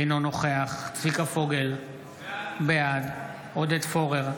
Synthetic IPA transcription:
jnonoχeaχt̪vikafo̞ɡel | bejad̪ | od̪et̪fo̞ʁeʁ

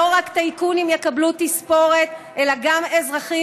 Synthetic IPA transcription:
oʁakt̪aikunimjekablut̪ispo̞ʁe̞t̪ʔelaɡamezʁaχi

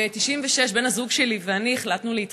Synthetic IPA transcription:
et̪iʃimveʃe̞ʃbe̞nhazuɡʃe̞liveanieχlat̪nuleit̪

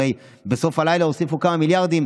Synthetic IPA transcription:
ej | beso̞falajlaosifukamamiljaʁd̪im

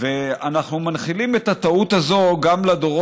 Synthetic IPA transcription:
veanaχnumanχilimet̪hat̪aut̪hazo̞ɡamlad̪oʁo

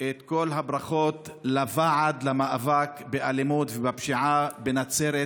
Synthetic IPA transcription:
ʔet̪ko̞lɦabɾaχot̪lavaʕad̪lamaʔavakbeʔalimut̪vebapʃiʕabenat͡seɾe

